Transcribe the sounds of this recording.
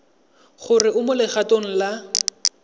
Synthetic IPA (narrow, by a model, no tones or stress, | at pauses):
χʊrɪʔʊmʊlɪχatoŋ̩la